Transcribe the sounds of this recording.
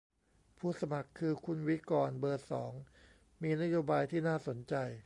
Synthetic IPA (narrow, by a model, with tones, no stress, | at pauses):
pʰuː˥˩sa˧ma˨˩kʰːɯː˧kʰu˧nwi˦˥kɔː˧nbɤː˧t̪̚sɔ̰ː˩˦ŋ | miː˧na˦˥joː˧baː˧jt̪ʰiː˥˩naː˥˩so˩˦nt͡ɕa˧j